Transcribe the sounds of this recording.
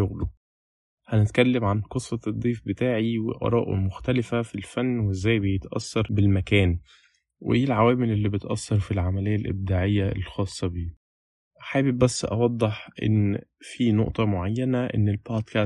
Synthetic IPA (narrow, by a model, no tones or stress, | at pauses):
oɣlu | hænet̪kælːemʕanqesˤːɑd̪ˤːiːfbet̪aːʕiwḛʔɑ̰ɾˤɑ̰ːʔmoxt̪ælɪfæfilfænːwezːæːjbejet̪ʔɑ̰sːɑɾˤbelmækæːn | wḛʔeːlʕawæːmelʔelːibet̪ʔæsːɑɾˤfilʕamælejːælʔḛb̚d̪aːʕejːæḛlxɑːsˤːɑbiː | ʔħaːbibæsːʔɑ̰wɑd̪ˤːeħʔḛnːfino̰ʔt̪ˤɑmoʕajːænæʔḛnːelbod̪kæ